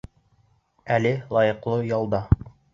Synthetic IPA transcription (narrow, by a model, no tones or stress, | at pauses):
ælɘlˠɑjɤ̆qlˠɤjɑlˠd̪ɑ